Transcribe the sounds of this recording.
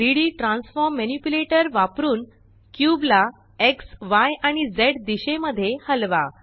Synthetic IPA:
ɾiɽiʈɾãnsfɔɾmːenipjuleʈəɾʋapɾuːn | kjubla | eksʋajaɽ̃id͡zeʈd̪iɕeməd̪ʱːjehəlʋa

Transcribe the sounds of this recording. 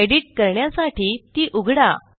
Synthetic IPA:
eɽiʈ̚kəɾɳjasaʈʰiːt̪iːʔuɡʱɽa̰

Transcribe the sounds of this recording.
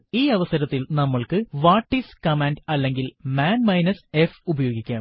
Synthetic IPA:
iːɐʋɐsɐɾɐt̪ːilnɐmːɐɭkɨʋaːʈːiskɐmeːnɖɐlːe̞ŋɡilmaːnmɐjnɐsefubɐjo̞ːɡikʲːaːm

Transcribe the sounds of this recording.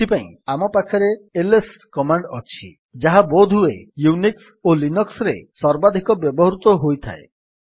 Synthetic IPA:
ipaĩamɔpakʰɔɾeeleskɔmaɳɖɔt͡ʃʰḭ | d͡ʒaɦabod̪ʱuḛjuniks | olinɔksɾḛsɔɾbad̪ʱikɔbjɔbɔɦɾut̪ɔɦojt̪ʰa̰e

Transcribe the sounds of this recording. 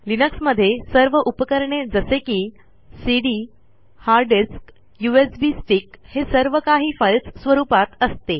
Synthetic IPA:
linəksməd̪ʱːjesəɾʋəʔupəkəɾɳed͡zəsekiː | siɽiː | haɾɖiɾsk | juesbiːsʈiːkhesəɾʋəkaɦiːfəlssʋəɾuːpat̪əst̪e

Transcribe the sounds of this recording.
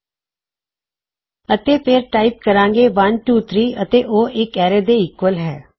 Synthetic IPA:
ət̪eːpʰeɾʈaːɪp̚kəɾãːŋɡeːʋənʈuːt̪ʰɾiːət̪eːʔoːʔɪkɛːɾeːd̪eːɪkwəlɦɛː

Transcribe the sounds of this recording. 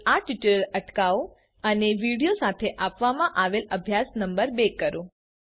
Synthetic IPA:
aʈiʈəɾələʈkao | əneʋiɽijosat̪ʰeʔapʋamãʔaʋeləbʱjasnəmbəɾbekːəɾũ

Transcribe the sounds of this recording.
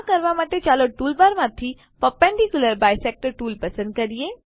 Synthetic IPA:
kəɾʋamaʈet͡ʃaːloʈuːlbaɾmãt̪ʰi | pəpɛ̃ɳɖikjuləɾbaːjsɛk̚ʈəɾʈuːlpɐsə̃nd̪̚kəɾie

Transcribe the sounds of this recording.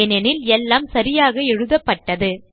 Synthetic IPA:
ɐnɐnɪlɛlːaːmsɐɾɪjaːɣɐɛɻɯðɐpːɐʈːɐðɯ

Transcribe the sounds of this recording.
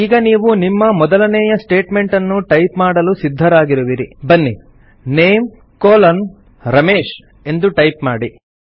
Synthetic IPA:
iːɡɐniːʋunimːɐmɔd̪ɐlɐnɛːjɐsʈe̞ːʈme̞ɳʈɐnːuʈɐjpmaːɽɐlusid̪ʱːɐɾaːɡiɾuʋiɾibɐnːi | neːm | koːlɐn | ɾɐmeːʃ | e̞nd̪uʈɐjpmaːɽi

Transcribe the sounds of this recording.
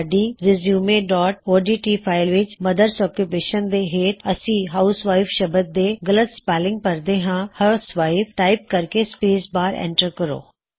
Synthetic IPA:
ɖiːɾɪzjuːmeːɖɔːʈ̚oːɖiːʈiːpʰaːɪlʋɪt͡ʃməd̪əɾsɔːkjupeːʃənd̪eːɦeːʈ̪əsĩːɦaːʊsʋaːɪfʃəbət̪̚d̪eːɡələt̪spɛːlɪ̃ŋɡ̚pəɾd̪eːɦãːhəsʋaːɪpʈaːɪp̚kəɾkeːspeːsbaːɾɛ̰̃ːɳʈəɾkəɾo̰ː

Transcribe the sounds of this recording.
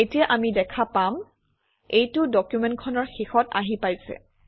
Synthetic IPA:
etijaʔamidɛkʰapam | ejtʊdɔkjumɛntkʰɔnɔɹxixɔta̰ɦipajsɛ̰

